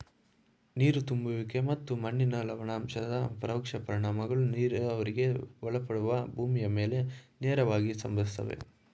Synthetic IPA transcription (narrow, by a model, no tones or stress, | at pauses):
niːɾut̪umbuʋike̞mɐt̪ːumɐɳːinɐlɐʋɐɳaːmʃɐd̪ɐpɾɐwkʂɐpɐɾiɳaːmɐɡɐɭuniːɾɐʋɐɾiɡe̞ʋɔɭɐpɐɽuʋɐbʱuːmijɐme̞ːlenɛːɾɐʋaːɡisɐmbʱɐd̪ist̪ːɐ̰ʋḛ